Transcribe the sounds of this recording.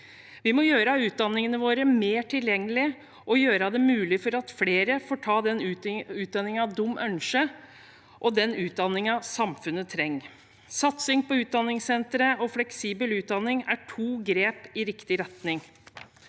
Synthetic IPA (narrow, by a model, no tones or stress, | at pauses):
ʋɪmɔjøːɾəɑʉːt̪̚d̪ɑnːɪŋənəʋoːɾəmeːʈʰɪljɛŋːəlɪ | ʔɔjøːɾəɑd̪ɛmʉːlɪfɔɾɑt̪fleːɾəfoːʈʰɑːd̪ɛnʉːt̪̚d̪ɑnːɪŋɑʋd̪ʊmːʔœnʂə | ʔɔd̪ɛnʉːt̪̚d̪ɑnːɪŋɑsɑmfʉnːət̪ʰɾɛŋː | sɑt̪sɪŋpʰɔʉːt̪̚d̪ɑnːɪŋsɛnt̪ɾəɔflɛksiːbəlʉːt̪̚d̪ɑnːɪŋæʈʰuːɡɾeːpɪɾɪkt̪ɪɾɛt̪nɪŋ